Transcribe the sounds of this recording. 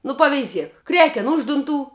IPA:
nʊ pɐʋʲɛɪˈzʲiɛk ˈkrʲæːkʲɛn ˈʊʃ dʊnˌtuː

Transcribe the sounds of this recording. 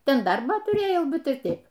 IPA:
ˈtʲɛn ˈdɐrbɑː tʊˈrʲeːjɛʊ ˈbʲɛt ɪr ˈtʲɛɪp

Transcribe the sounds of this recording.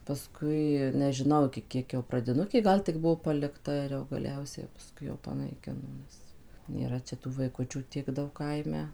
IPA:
pɐˈskʊɪ nʲɛʒʲɪˈnɐʊ ɪkʲɪ ˈkʲiɛk jɛʊ prɐdʲɪˈnʊkʲeː ˈɡɐlˠ tʲɪk ˈbʊʋoː pɐlʲɪkˈtɐ ɪr jɛʊ ɡɐˈlʲɛʊsʲɛ pɐˈskʊɪ jɛʊ pɐnɐɪˈkʲɪnoː ˈmʊs nʲeːˈrɐ t͡ʃʲɛ ˈtuː ʋɐɪˈkʊt͡ʃʲuː ˈtʲiɛk ˈdɐʊk ˈkɐɪmʲɛ

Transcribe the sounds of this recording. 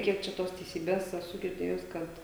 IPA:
ˈkʲiɛk t͡ʃʲɛ ˈtoːs tʲɛɪˈsʲiːbʲeːs ɛˈsʊ ɡʲɪrʲˈdʲeːjʊs ˈkɐt

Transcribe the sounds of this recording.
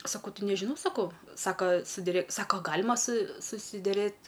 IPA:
sɐˈkɐʊ ˈtʲɪ nʲɛʒʲɪˈnɐʊ sɐˈkɐʊ ˈsɑːkɐ sʊ dʲɪˈrʲɛ ˈsɑːkoː ɐ ˈɡɑːlʲɪmɐ sʊ sʊsʲɪdʲɛˈrʲeːt

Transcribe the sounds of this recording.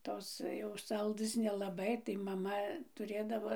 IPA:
ˈtoːs jɛʊ ˈsɐlˠdɘs nʲɛlˠɐˈbɐɪ tɐɪ mɐˈmɐ tʊˈrʲeːdɐʋoː

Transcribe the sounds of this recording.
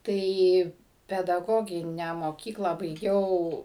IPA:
ˈtɐɪ pʲɛdɐˈɡoːɡʲɪnʲæː moːˈkʲiːklˠɑː bɐɪˈɡʲɛʊ

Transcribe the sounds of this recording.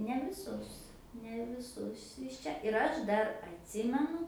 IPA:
nʲɛ ʋʲɪˈsʊs nʲɛ ʋʲɪˈsʊs ɪʃ ˈt͡ʃʲɛ ɪr ˈɐʃ ˈdɐr ɐtʲˈsʲɪmʲɛnʊ

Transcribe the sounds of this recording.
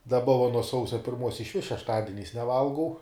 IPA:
dɐˈbɐ ʋɐ nuɔ ˈsɐʊsʲɛ pʲɪrˈmuɔs ɪʃʲˈʋʲɪs ʃʲɛʃˈtɑːdʲɪnʲɛɪs nʲɛˈʋɐlˠɡɐʊ

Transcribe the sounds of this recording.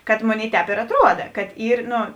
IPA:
kɐt ˈmoːˌnʲeːɪ ˈtʲɛːp ɪr ɐtˈruɔdɐ kɐt ˈiːr ˈnoː

